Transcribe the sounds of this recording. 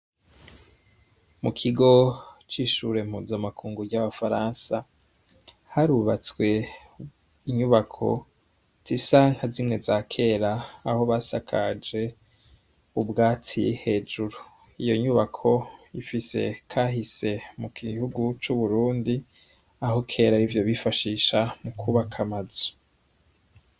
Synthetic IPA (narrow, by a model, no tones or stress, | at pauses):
mukʰiɡo̞t͡ʃiːʃuːɾe̞mhuːzamakʰuːŋɡuɟaβafaɾaːnsa | haɾuβat͡swe̞ | iɲuβakʰo̞̰ | z̥isaːŋhazimŋe̞zaːkʰe̞ːɾaːho̞βasa̰kʰad͡ʒe̞ | ubɡaːt͡sijhe̞ːd͡ʒuɾu | ijo̞ɲuβakʰo̞ifise̞̰kʰaːɦise̞muɡihuɡut͡ʃuβuɾuːndi | aɦo̞kʰe̞ːɾaɾivjo̞βifaʃiːʃamukʰuβakʰamazu̥